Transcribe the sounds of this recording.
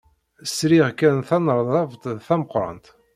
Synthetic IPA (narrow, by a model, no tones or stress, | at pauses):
sɾiʁkænθænəɾˤðˤɑvt̪θæməqːɾˤɑ̰nt̪